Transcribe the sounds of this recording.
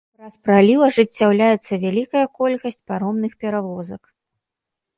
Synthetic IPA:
ɾaspɾalʲiwɐʐɨt͡sʲːawlʲajɛt̪sːɐvʲalʲikɐjɐkɔlʲkɐsʲt͡sʲpaɾɔmnɨxpʲɛɾavɔzɐk

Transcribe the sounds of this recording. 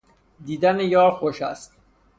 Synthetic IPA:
d̪iːd̪ænejɒːɾxoʃæ̰st̪

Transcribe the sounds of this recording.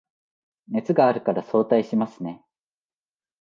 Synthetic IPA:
ne̞t͡sɨɡaːɾɯ̟kaɾaso̞ːt̪aiɕimasɨne̞

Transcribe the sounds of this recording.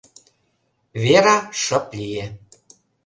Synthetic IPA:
βeɾɑʃə̆plije

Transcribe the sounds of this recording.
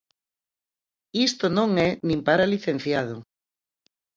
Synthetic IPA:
ist̪onõŋɛnĩmpaɾaliθẽn̟θjað̞ʊ

